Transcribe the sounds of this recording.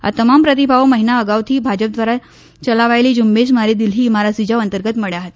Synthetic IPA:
a̰t̪əmampɾət̪̬ibʱaʋməɦinaəɡaʋt̪ʰiːbʱad͡ʑəp̚d̪ʋaɾa | t͡ɕəlaʋajliːd͡ʑumbeɕmaɾid̪ilɦiːmaɾasid͡ʑaʋənt̪əɾɡət̪məɽjaɦət̪

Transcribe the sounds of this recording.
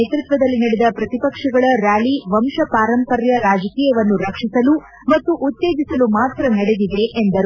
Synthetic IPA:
eːt̪ɾit̪ʋɐd̪ɐlːinɐɽed̪ɐpɾɐt̪ipɐkʂɐɡɐɭɐɾaːɭiʋɐmʃɐpaːɾɐmpɐɾjɐɾaːd͡ʒɐkiːjɐʋɐnːuɾɐkʂisɐlu | mɐt̪ːuʔut̪ːe̞ːd͡ʒisɐlumaːt̪ɾɐnɐɽed̪id̪e̞ʔend̪ɐɾu

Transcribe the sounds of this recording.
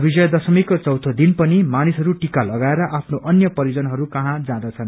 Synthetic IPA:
bid͡zʌjʌd̪ʌsʌmikot͡sʌwt̪ʰʌd̪inpʌnimanisɦʌɾuʈikalʌɡaeɾʌʔapʰnoʔʌnjʌpʌɾjid͡zʌnɦʌɾukʌɦãd͡zãd̪ʌt͡sʰʌn

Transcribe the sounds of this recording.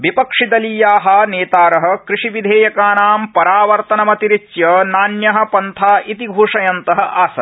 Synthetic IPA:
ʋipɐkʂid̪ɐlijaːɦɐ̆neːt̪aːɾɐɦɐ̆kɾiʂiʋid̪ʱeːjɐkaːnaːmpɐɾaːʋɐɾt̪ɐnɐmɐt̪iɾit͡ʃjɐnaːnjɐɦɐ̆pɐnt̪ʰaːʔit̪iɡʱuːʂɐjɐnt̪ɐɦɐ̆ʔaːsɐ

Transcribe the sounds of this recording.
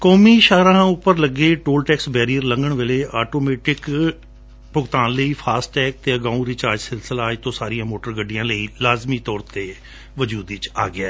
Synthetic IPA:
kɔːmiːʃaːɾãːʊpːəɾləɡeːʈoːlʈɛːksbɛːɾiːəɾləŋɡəɳʋeːleːʔaːʈoːmeːʈɪk | pʊɡt̪aːnləiːpʰaːsʈɛːk̚t̪eːəɡãːũɾɪt͡ʃaːɾd͡ʒsɪlsəlaːɪt̪õːsaːɾijãːmoːʈəɾɡəɖijãːləiːlaːzmiːt̪ɔːɾt̪eː | ʋəd͡ʒuːd̪ɪt͡ʃa̰ːɡɪaː

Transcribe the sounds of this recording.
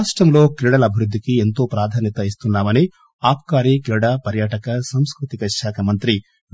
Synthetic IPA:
ʂʈɾɐmlo̞ːkɾiɽɐlɐbʱiɾud̪ʱːikie̞nt̪o̞ːpɾaːd̪ʱaːnjɐt̪ɐist̪unːaːmɐni | aːp̚kaːɾiːkɾiɽaːpɐɾjaːʈɐkɐsɐmskɾut̪ikɐʃaːkʰɐmɐnt̪ɾi

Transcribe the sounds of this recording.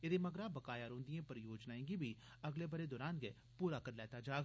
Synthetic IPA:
ɪd̪eːməɡɾaːbəkaːjaːɾõːnd̪ijẽːpəɾjoːd͡ʒnaːẽːɡibi | əɡleːbəɾeːd̪ɔːɾaːnɡe | puːɾaːkəɾlɛːt̪aːd͡ʒaː

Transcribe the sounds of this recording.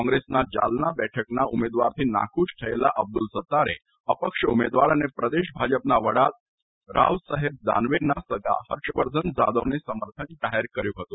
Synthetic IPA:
kɔ̃ŋɡɾesnad͡ʑa̰lnabɛʈʰəknaumed̪ʋaɾt̪ʰiːna̰kuːɕʈʰəela̰ʔəb̚d̪ulsət̪ːaɾḛ | əpəkʂəumed̪ʋaɾanepɾəd̪eɕbʱad͡ʑəpnaʋəɽat̪̚ | ɾʔa̰ʋsəɦeb̚d̪a̰nʋenːasəɡɭa̰ɦəɾɕəʋəɾd̪ʱənd͡za̰d̪əʋnesəməɾt̪ʰənd̪aɦeɾkəɾjuɦot̪o

